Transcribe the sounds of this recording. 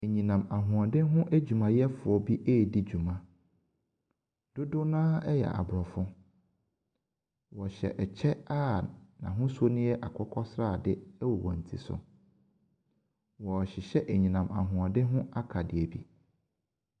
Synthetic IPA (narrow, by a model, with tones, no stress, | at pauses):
e˨ɲĩ˨nã˨ma˨ɦʊ̃˨ã˨dɪ˦ɦʊ̃˦ʔæ˦d͡ʑᶣu˨mã˨jɛ˦fʊ˨ɔ˦bi˦ʔeː˦˨di˦d͡ʑu˨mã˨ | d̥ʊ˦dʊ˦nãː˦ɛ˦jɛ̰˨ʔa̰˨bɾɔ˨fʊ̃˦ | wɔ˨ɕɛ̰˨ʔɛ˨t͡ɕʰɛ˦a˦nã̰˨ɦʊ̃˦so˦nɪ̃˦jɛ˦ʔa˨kʰɔ˦kʰɔ˦sɾa˦˨dɪ˦wɔ˨wɔ̃˨n̩˨tʰḭ˨sʊ̰˨ | wɔ˨ɕɪ˨ɕɛ˦ʔɲĩ˨nã˨ma̰˨ɦʊ̃˨ã˨dɪ˦ɦʊ̃˦a˦kʰa˨dɪ˨ɛ˨bḭ˦